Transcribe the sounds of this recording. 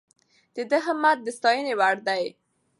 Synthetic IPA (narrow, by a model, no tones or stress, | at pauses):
d̪̥əd̪əɦəmat̪̚d̪əst̪ɑjənewaɽd̪aj